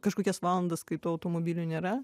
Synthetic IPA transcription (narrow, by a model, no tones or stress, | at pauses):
kɐʃkoːkʲɛsʋɑːlˠɐnd̪ɐskɐɪt̪uːɐʊt̪oːmoːbʲiːlʲunʲeːɾɐ